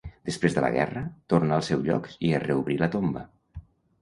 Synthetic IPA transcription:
d̪̥əspɾezðələ̰ɣɛ̰rət̪oɾrnaəlˠsɛwzʎɔ̰kiərəuβɾilət̪ombə

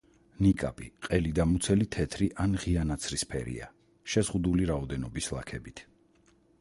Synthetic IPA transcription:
nikʼa̰pʼiqʼɛlid̪amut̪sʰɛlit̪ʰɛt̪ʰɾiʔanʁianat̪sʰɾispʰɛ̰ɾḭa̰ | ʃɛzʁud̪uliɾaɔd̪ɛnɔbislˠa̰kʰɛbit̪ʰ

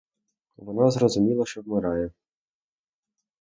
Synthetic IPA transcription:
ʋɔnɑzrɔzʊmʲilˠɐʃt͡ʃɔwmeɾɑjɛ

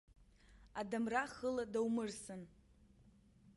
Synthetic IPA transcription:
adamraχəladawmɨrsɨn

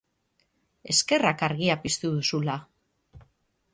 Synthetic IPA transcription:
e̞ske̞rakaɾɣiapist̪uðusula

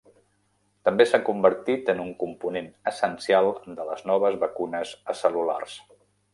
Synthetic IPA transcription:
t̪əmbesakumbəɾt̪it̪ənuŋkumpunenəsənsialˠd̪ələznɔβ̞əzβəkunəzəsəlula̰rs

